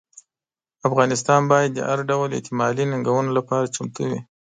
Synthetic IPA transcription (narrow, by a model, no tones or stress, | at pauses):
afɣɑnɪst̪ɑnbɑjad̪̚ːə̰haɾɖawlḛht̪ɪmɑlinaŋɡawənolapɑɾat͡ʃʊmt̪awi